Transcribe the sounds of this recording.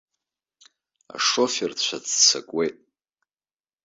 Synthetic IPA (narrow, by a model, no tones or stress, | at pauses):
a̰ʂofert͡ɕʷʰat͡sʰt͡sʰakʷʼwejtʼ